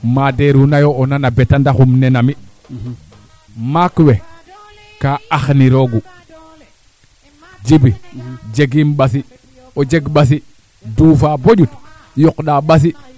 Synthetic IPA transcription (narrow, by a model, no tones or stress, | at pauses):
madeɾunajoːnanabetandaxumnenami | makwe | kaaxniɾoɡu | d͡ʒibid͡ʒeɡimɓasi | od͡ʒeɡɓas̬i | dufaboɟut | jokɗaɓas̬i